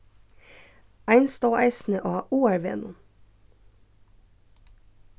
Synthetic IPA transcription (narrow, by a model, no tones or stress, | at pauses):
æɪnst̪oːʔæɪsn̩əʔoːɑʔuːæɹʋḛːnʊm